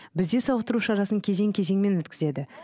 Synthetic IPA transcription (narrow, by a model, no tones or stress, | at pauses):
bɪzd̪e̞sɑwəqt̪əɾuʃɑɾɑsəŋkʲʰe̞ze̞ŋkʲʰe̞ze̞ŋme̞nwɵt̪kʲʰɪze̞d̪ɪ